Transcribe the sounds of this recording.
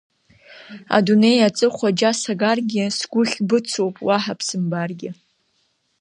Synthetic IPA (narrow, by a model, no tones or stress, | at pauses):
a̰dune̞jat͡sʼɨχʷad͡ʒasaɡarɡʲɪsɡʷʊχʲbɨt͡sʰowpʼwaħapʰsɨmbarɡʲɪ